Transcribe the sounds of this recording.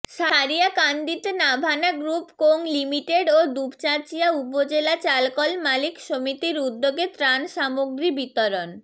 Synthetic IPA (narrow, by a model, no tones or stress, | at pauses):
ʃaɾijakand̪it̪enabʱanaɡɾupkoŋlimiʈeɖod̪ubt͡ɕat͡ɕijaupod͡ʑelat͡ɕalkɔlmalikʃomit̪iɾud̪ːoɡet̪ɾanʃamoɡɾibit̪oɾon